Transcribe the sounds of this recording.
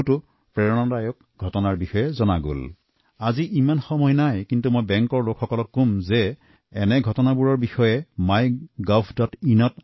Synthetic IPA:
tʊ | pɹɛɹɔnɔdajɔk̚ | ɡʱɔtɔnaɹbixɔjɛzɔnaɡo̰l | aziʔimanxɔmɔjnajkintumojbɛŋkɔɹlokʰxɔkɔlɔkːumzɛ | ɛnɛɡʱɔtɔnabuɹɔɹbixɔjɛmajɡɔpʰdɔtinɔt

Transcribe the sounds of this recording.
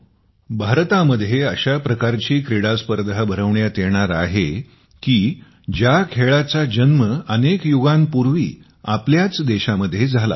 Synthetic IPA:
bʱaɾt̪aməd̪ʱjeəɕapɾəkaɾt͡ɕiːkɾiɽaspəɾd̪ʱabʱəɾəʋɳjat̪eɽ̃aɾaɦe | kiː | d͡ʑjakʰeɭat͡sad͡ʑənməənekjuɡampuɾʋḭː | apljat͡sd̪eɕaməd̪ʱːjed͡zʱala̰

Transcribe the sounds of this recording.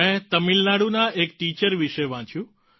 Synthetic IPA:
ɛ̃t̪əmilnaɽunaʔekʈit͡ʃəɾʋiʃeʋãt͡ʃʰjũ

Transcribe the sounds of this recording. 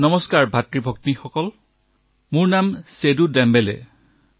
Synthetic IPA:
nɔmɔskaɹbʱatɹibʱɔk̚nixɔkɔl | mʊɹnamsedudɛmbɛlɛ̰

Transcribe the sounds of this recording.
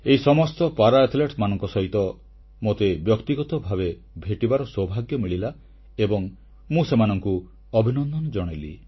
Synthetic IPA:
eisɔmɔst̪ɔpaɾaet̪ʰleʈmanɔŋkɔsɔɦit̪ɔ | mot̪ebjɔkt̪iɡɔt̪ɔbʱaβe | bʱeʈibaɾɔsɔbʱaɡjɔmiɭila | ebɔŋ | mũsemanɔŋku | ɔbʱinɔnd̪ʱɔnɔd͡ʒɔɽ̃elḭ

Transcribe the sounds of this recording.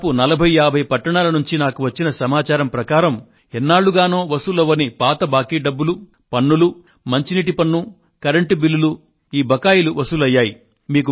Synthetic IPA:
punɐlɐbʱɐjaːbʱɐjpɐʈːɐɳaːlɐnuɲt͡ʃinaːkuʋɐt͡ʃːinɐsɐmaːt͡ʃaːɾɐmpɾɐkaːɾɐm | ɛnːaːɭːuɡaːno̞ːʋɐsulɐʋːɐnipaːt̪ɐbaːkiːɖɐbːulu | pɐnːulu | mɐɲt͡ʃiniʈ̬ipɐnːu | kɐɾeɳʈibilːulu | iːbɐkaːjiluʋɐsulɐjːaːji | miːku

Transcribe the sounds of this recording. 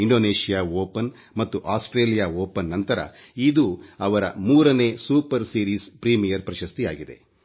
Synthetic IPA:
iɳɖoːneːʃijaːoːpɐn | mɐt̪ːuʔaːsʈɾeːlijaːoːpɐnːɐnt̪ɐɾɐ̰id̪uːɐʋɐɾɐ̰muːɾɐne̞ːsuːpɐɾsiːɾiːspɾiːmijɐɾpɾɐʃɐst̪ijaːɡid̪e̞̰

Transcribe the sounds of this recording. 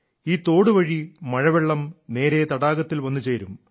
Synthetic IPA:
iːt̪o̞ːɽuʋɐɻimɐɻɐʋeɭːɐmne̞ːɾet̪ɐɽaːɡɐt̪ːilʋɐnːut͡ɕe̞ːɾum

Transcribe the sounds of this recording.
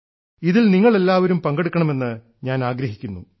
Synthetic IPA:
iðilniŋːɐɭe̞lːaːʋɐɾumpɐŋɡeɽukːɐɳɐme̞nːɨ | ɲaːnaːɡɾɐɦikʲːunːṵ

